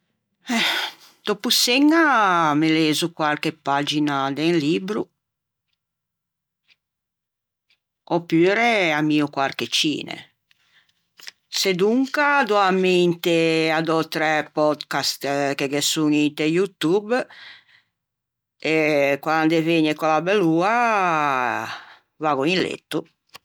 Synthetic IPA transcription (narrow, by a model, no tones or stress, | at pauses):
ɛ | d̪̥opuseŋːameleːzukwalkepad͡ʒinad̪eŋliːbɾu | opyːɾeamiːukwalket͡ʃḭːnḛ | sed̪uŋkad̪ɔamːent̪ead̪ɔt̪ɾɛpɔd̪kast̪keɡesuŋint̪ejut̪ub | ekwand̪eveɲekɔlabeluːa | vaːɣuinlḛt̪ːu